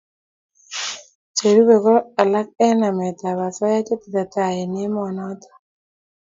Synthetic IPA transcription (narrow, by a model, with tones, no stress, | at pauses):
t͡ʃe˨ɾu˦be˨kɔ˦ɾa˨la˦k̚ɛ˦na˨mɛ˨t̪a˨βa˨sɔ˦ja˦t͡ʃe˦ti˨t̪a˨t̪a˨jɛ˨nɪ˦mɔ˨nɔ˦t̪ɔ̥˨